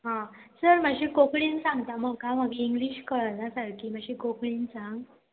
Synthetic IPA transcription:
ɦãsəɾməɕĩːkokɭiːnsãŋɡt̪aməɡkaməɡʱeiŋɡliːɕkəɭanasəɾkiːm̤aɕikokɭiːnt͡sãŋɡ

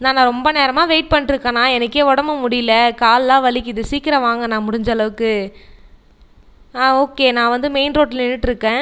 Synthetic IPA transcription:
naːnãːɾɔmbɐneːɾɐmaːʋeːʈ̚pɐɳːɪʈɪɾɯkːɐnãːɛnɐkːeːɔɽɐmɐmʊɽɪjlɐkaːllãːʋɐɭɪkːɪðɯsiːkːɪɾɐʋaːŋɡɐnãːmʊɽɪɲd͡ʒɐlɐʋɯkːɯ | aːoːkːeːnãːʋɐnd̪ɯmeɪnɾoːʈɪlnɪnːɯʈːɪɾɯkːẽː

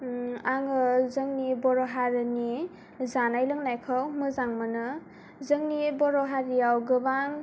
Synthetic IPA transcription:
aŋɯzɯŋnibɔɾɔɦaɾɯni | zanajlɯŋnajkʰawmɯzaŋmɯnɯ | zɯŋnibɔɾɔɦaɾijawɡɯbaŋ

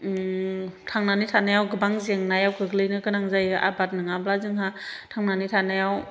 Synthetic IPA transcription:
tʰaŋnanitʰanajawɡɯbaŋzeŋnajawkʰɯɡlɯjnɯkɯnaŋzajɯʔa̰bat̚nɯŋablazɯŋɦatʰaŋnanitʰanajaw

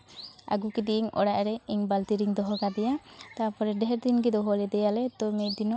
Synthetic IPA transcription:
a̰ɡukid̪iʔiŋɔ̰ɽaʔɾɛiɲbalt̪iɾiŋd̪ɔɦɔkad̪ɛjat̪apɔɾɛɖɛɦɛɾd̪inɡɛd̪ɔɦɔlɛd̪ɛjalɛt̪ɔmɛt̪̚d̪inɔ

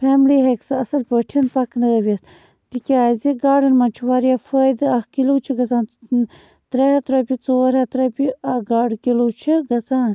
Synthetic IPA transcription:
pʰeːmliːɦeksɨɐsɐlpəʈʰinpɐknɐɐʋist̪ | t̪ikʲaːziɡaːɖɐnmɐnt͡ʃʰuʋaːɾijafəːjd̪ɨɐhkilut͡ʃʰiɡɐt͡saːn | t̪ɾehɐt̪ɾɐpʲit͡soːɾɐt̪ɾɐpʲiɐɡaːɖkilut͡ʃʰiɡɐt͡saːn

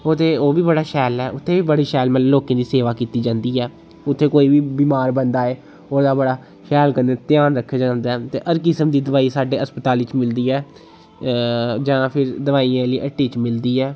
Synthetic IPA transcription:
ot̪eːoːʋiːbəɽaːʃɛːlɛːʔʊt̪ʰːeːʋiːbəɽiːʃɛːlməlloːkẽːd̪iːseːʋaːkiːt̪iːd͡ʒãːnd̪iːɛː | ʊt̪ʰːeːkoːiːʋiːbiːmaːɾbənd̪aːeː | oːd̪aːbəɽaː | ʃɛːlkənneːt̪ɪjaːnɾəkʰːeːd͡ʒãːnd̪aːɛːt̪ḛːʔəɾkɪsəmd̪iːd̪əʋaːiːsaːɖeːəspət̪aːlɪt͡ʃmɪld̪iːɛː | d͡ʒãːpʰɪɾd̪əʋaːijãːliːʔəʈːiːt͡ʃmɪld̪iːɛː

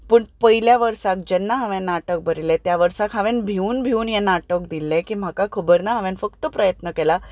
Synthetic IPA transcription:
pəɳpəɦiljaʋəɾsak̚d͡ʑɛnːaɦəʋẽnaʈək̚bʱəɾilet̪jaʋəɾsakɦãʋẽnbʱiuːnbʱiuːnɦenaʈək̚d̪ilẽkiːm̤akakʰəbəɾnaɦaʋẽnfəkt̪əpɾəjət̪nəkela

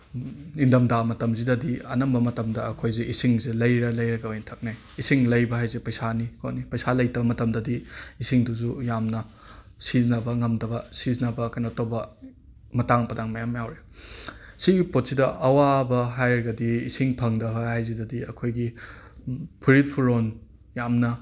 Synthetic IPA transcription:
indɐmdamɐtɐmzidɐdiɐnɐmbɐmɐtɐmdɐɐkʰojzeʔisiŋzelɐjɾɐlɐjɾɐɡɐojntʰɐk̚naj | isiŋlɐjbɐɦajzepɐjsanikʰonipɐjsalɐjtɐbɐmɐtɐmdɐdiːsiŋduzujamnɐ | sizinɐbɐŋɐmdɐbɐsizinɐbɐkɐjnɐtowbɐ | mɐtaŋpɐdaŋmɐjamjawɾe | siɡipot̚sidɐʔɐwabɐɦajɾɐɡɐdiːsiŋpʰɐŋdɐbɐhajzidɐdiɐkʰojɡi | pʰuɾit̚pʰuɾon | jamnɐ

